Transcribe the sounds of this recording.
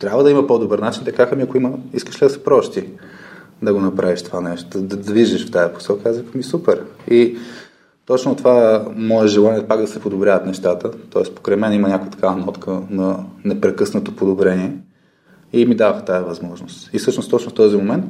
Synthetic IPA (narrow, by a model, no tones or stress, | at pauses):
t̪ɾʲabvəd̪ɐimɐpɔd̪obəɾnat͡ʃint̪ɐkaxɐmiɐkoiməiskə̥ʃlid̪ɐsɛ̥pɾɔʃt̪i | d̪ɐɡonɐpɾʔaviʃt̪o̥vanɛʃt̪od̪ɐd̪ɐd̪viʒɛʃft̪ajɐpo̥sɛlˠkiazvikəmisupɛɾi | t̪ɔt͡ʃnot̪ovamɔɛʒɛlˠaniɛpaɡd̪ɐsɛpod̪obɾʲavɐt̪nɛʃt̪at̪ət̪ɔɛspo̥kɾɛmɛnimɐnʲakojət̪ɐkʰavɐnɔt̪kʰənɐnɛpɾɛkɤsnət̪opod̪obɾɛniɛ | imid̪avəxt̪ajɐvɐzmɔʒnost̪ifsɤʃnost̪ɔt͡ʃnoft̪ɔzimomɛnt̪